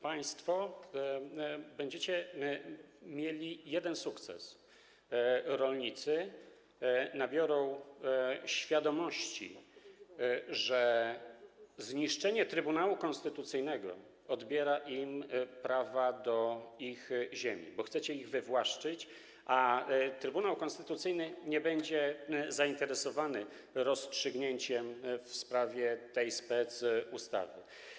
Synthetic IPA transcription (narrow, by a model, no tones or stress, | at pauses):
paj̃st̪fɔ | bɛɲd͡ʑet͡ɕɛ | mʲjelʲijɛd̪ɛnsukt̪sɛ̰s | ɾɔlɲit̪sɘ | nabʲjɔɾɔ̃w̃ | ɕfʲjad̪ɔmɔɕt͡ɕḭ | ʐɛ | zɲiʂt͡ʂɛɲɛt̪ɾɘbunawukɔnst̪ɘt̪ut̪sɘjnɛɡɔ̰ | ɔd̪bʲjɛɾaʔimpɾavad̪ɔixʑemʲḭbɔxt̪sɛt͡ɕɛiɣvɘvwaʂt͡ʂɘt͡ɕ | ʔat̪ɾɘbunawkɔ̃nst̪ɘt̪ut̪sɘjnɘɲɛbɛɲd͡ʑɛzaint̪ɛɾɛsɔvanɘ | ɾɔstʂɘɡɲeɲt͡ɕɛmfspɾavʲjɛt̪ɛjspɛsust̪a̰vɘ